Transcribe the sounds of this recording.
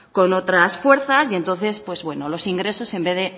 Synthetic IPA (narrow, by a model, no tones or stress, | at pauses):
ko̞no̞t̪ɾasfwe̞ɾθasie̞nt̪o̞n̟θe̞spwe̞zβwe̞nolo̞siŋɡɾe̞so̞se̞mbeðe